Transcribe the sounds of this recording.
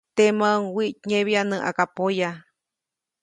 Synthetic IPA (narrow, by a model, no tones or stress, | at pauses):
t̪emãŋwiʔt̪ɲẽβianɨ̃ʔa̰kapoja